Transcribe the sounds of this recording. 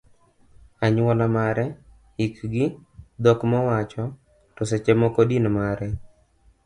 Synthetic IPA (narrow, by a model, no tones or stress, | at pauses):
aɲwɔlamaɾɛ | ikɡɪd̪ɔkmɔwat͡ʃɔ | tɔset͡ʃɛmɔkɔdinmaɾɛ